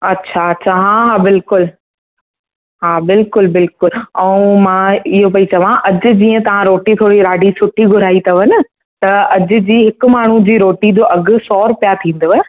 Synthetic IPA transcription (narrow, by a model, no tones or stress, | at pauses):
ɐtːɕʰaɐtːɕʰaɦaɦabɪlkʊl | ɦaːbɪlkʊlbɪlkʊlɛ̃mãɪɦopɐit͡ɕɐʋãʔɐd͡ʑʊ̆d͡ʑiːə̃t̪ɐʋ̤ãɾoːʈit̪ʰoːɽiɾaːɖisʊʈʰiɡʱʊɾ̤aːit̪ʰɐʋənɪ | t̪ɐɐd͡ʑʊ̆d͡ʑiːɦɪkʊ̆maːɳ̤ũd͡ʑiːɾoːʈid͡ʑ̪oːʔɐɡʊ̆sɔːɾpijat̪ʰĩːnd̪ʋɛ